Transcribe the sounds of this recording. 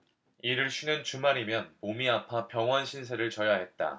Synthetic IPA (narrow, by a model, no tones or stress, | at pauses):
iɾɯɭɕʰinɯnt͡ɕumaɾimjʌnmomiapʰapjʌŋɦwʌnɕʰinsʰe̞ɾɯɭt͡ɕʌjaɦe̞t̚t͈a̰